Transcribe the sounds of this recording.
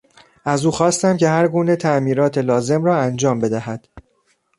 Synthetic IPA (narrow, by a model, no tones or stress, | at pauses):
ʔæzuːxɒːst̪æmce̞hæɾɡuːnet̪ʰæmiːɾɒːt̪ʰe̞lɒːze̞mɾɒːænd͡ʒɒːmbe̞d̪æhæd̪̥